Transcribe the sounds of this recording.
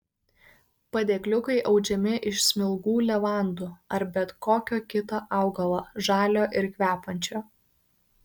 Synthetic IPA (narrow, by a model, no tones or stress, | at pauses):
pɐd̪ʲeːklʲʊkɐɪʔɐʊd͡ʒʲɛmʲɪʔɪʃsʲmʲɪlˠɡuːlʲɛʋɑˑnd̪uːɐɾbʲɛt̪koːkʲoːkʲɪt̪oːʔɑˑʊɡɐlˠoːʒɑːlʲoːʔɪɾkʲʋʲæːpɐnʲt͡ʃʲoː